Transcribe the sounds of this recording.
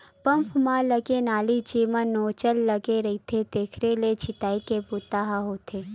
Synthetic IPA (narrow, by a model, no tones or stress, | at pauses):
pə̃mpʰmãləɡenaːlit͡ʃiːmə̃noːt͡ʃəlːəɡeɾɐit̪ʰet̪eːkʰɾelet͡ʃʰɪt̪aːikeput̪aːɦaɦoːt̪ʰeː